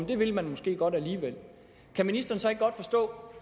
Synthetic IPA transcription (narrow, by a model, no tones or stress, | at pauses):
mnd̥e̝ʋe̝lmænmɔ̽sɡ̥e̝̰ːɡ̥ɒ̽d̥æliːʋel | kʰæminisd̥ɐːnsɒ̽e̝ɡ̥̚ɡɒ̽d̥fɒ̽sd̥ɔ̰̽ː